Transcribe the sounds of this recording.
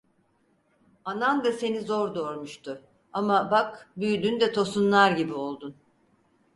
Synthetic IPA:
anand̪ase̞nizoɾd̪oɾmuʃt̪ʰʊ | amabakbyjd̪ynd̪ɛt̪ʰo̞sunlˠaɾɟibio̞lˠd̪un

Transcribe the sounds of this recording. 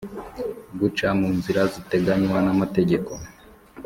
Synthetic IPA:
ɡut͡ʃamuːnziɾazite̞ɡaɲwanamate̞ɟe̞ko̞

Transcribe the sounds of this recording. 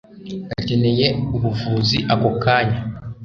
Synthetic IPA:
atinejeuβuvuːziʔakokʰaɲa

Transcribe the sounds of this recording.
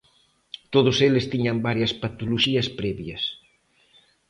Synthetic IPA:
t̪oðʊselɪst̪iɲɐmbaɾjɐspat̪oloʃiɐspɾɛβjɐs

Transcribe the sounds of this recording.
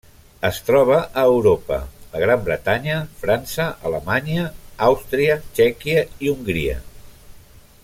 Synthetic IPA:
əst̪ɾɔβ̞əʔəːwɾopə̰əɣ̞ɾambɾət̪aɲəfɾansəʔələmaɲəawst̪ɾiət͡ʃɛkiəiuŋɡɾiə̰

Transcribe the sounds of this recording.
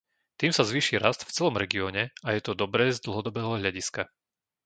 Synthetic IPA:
t̪iːmsazʋiːʃiɾast̪ft͡sɛlɔmɾɛɡiɔːɲɛajɛt̪ɔd̪ɔbɾɛːzd̪l̩ˠɦɔd̪ɔbɛːɦɔɦʎaɟiska

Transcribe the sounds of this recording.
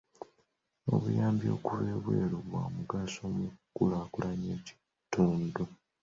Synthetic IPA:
o̞̰βujaːmbjo̞ːkuβeβwe̞̰ːɾuβwa̰muɡasoːmukːulaːkulaɲe̞ːci̥ | tuːndu

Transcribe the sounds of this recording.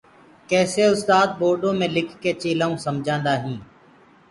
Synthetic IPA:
kɛːseːʊst̪aːd̪̚ɓoːɾɖõːmẽːlɪkʰkeːt͡ʃeːlaːũːsəmd͡ʒʱãːnd̪aːɦĩː

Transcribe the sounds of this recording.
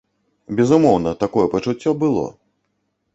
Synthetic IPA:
bʲɛzumɔwnɐt̪akɔjɛpɐt͡ʂut͡sʲːɔbɨlˠɔ̰

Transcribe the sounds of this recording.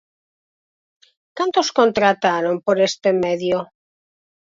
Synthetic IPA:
kant̪oskont̪ɾat̪aɾompoɾest̪emeðjo

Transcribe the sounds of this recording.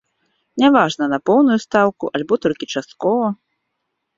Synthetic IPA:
nʲavaʐnɐnɐpɔwnujust̪awkuʔalʲbɔt̪ɔlʲkʲit͡ʂast̪̚kɔvɐ

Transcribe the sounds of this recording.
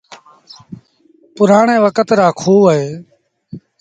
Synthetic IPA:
pʊɾaːɳẽːʋəkət̪ɾaːkʰuːɦeː

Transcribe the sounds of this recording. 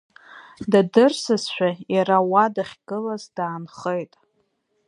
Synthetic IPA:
dadɨrsɨzʃʷᶣajaɾawadaχʲɡ̥ɨlazdaːnχejtʼ

